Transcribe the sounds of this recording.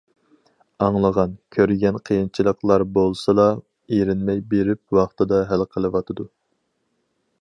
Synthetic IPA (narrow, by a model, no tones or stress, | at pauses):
ɑŋlˠəʁɑnkʲʰøɾɡʲɛnqʰəjint͡ʃʰilˠəqlˠɑɾbolˠsɨlɑ | eɾɪnmɛjbeɾɪp̚wɑχt̪ɨd̪ɑɦælqʰəlˠɨwɑt̪ʰɨd̪u